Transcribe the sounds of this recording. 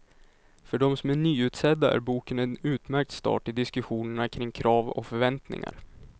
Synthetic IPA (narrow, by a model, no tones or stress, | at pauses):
fœɖɔmsɔmæɳyːʉ̟ːt̪sɛd̪ːaʔæ̰ɾbuːkənɛnʉ̟ːt̪mæɾk̚t̪st̪ɑ̰ːʈɪd̪ɪskɵɧuːnəɳakʰɾɪŋːkʰɾɑːvɔ̰kfœɾvɛnt̪nɪ̰ŋa̰ɾ